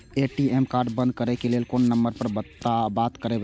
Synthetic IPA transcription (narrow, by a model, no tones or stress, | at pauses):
eʈiemkaːɾɖbə̃nd̪̚kəɾɛkelelkonːəmbəɾpəɾbəabat̪kəɾeb